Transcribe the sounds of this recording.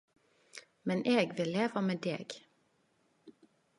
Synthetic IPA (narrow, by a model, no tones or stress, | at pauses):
mɛnʔeːɡʋɪleːʋəmeːd̪ḛːɡ̥